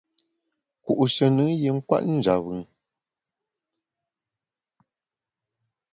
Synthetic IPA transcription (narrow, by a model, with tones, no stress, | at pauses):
ku˨ʔu˨ʃə˨nɨ˨˦ŋje˨˦ŋ̩˦kwa̰˦ʔn̩˦d͡ʒa˨βɨ˨ŋ